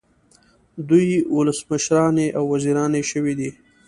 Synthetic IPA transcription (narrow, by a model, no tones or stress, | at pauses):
d̪ujwʊləsməʃɾɑneʔawːaziɾɑneʃəwid̪i